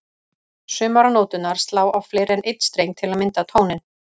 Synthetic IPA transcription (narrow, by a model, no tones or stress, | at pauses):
sʏːmaɾanɔːt̪ʏnaɾ̥st̪laːwawflɪːɾɛnʔɪjt̪st̪ɾejŋt̪ʰɪlaðmɪnt̪at̪ʰoːwnɪn